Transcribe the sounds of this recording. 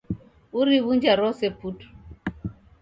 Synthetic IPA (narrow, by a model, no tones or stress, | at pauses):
uɾiβund͡ʒaɾɔsɛputu̥